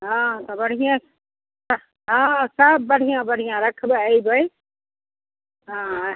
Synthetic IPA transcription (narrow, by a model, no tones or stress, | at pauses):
ɦãːt̪ɐbɐɽ̤ijã | ɦãsəbːɐɽ̤ijãbɐɽ̤ʱijãːɾɐkʰbəibʱɐi | ɦãː